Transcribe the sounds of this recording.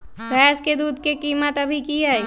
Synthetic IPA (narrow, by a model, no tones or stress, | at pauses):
bɛːsked̪uːd̪̚kekiːmət̪ɐbʱikiɦɛː